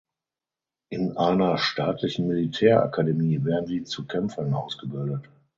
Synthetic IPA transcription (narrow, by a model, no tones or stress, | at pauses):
ʔɪnʔaɪnɐʃtʰaːtʰlɪçn̩militʰɛːɐʔa̰kʰademiːveːɐdn̩ziːt͡sukʰɛmfɐnʔaʊsɡ̥əbɪldət